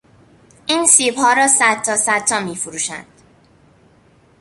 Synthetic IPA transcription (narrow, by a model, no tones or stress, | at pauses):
ʔiːnsiːbhɒːɾɒːsæd̪̚t̪ʰːɒːsæd̪̚ʰɒːmiːfuɾuːʃæ̰nd̪̥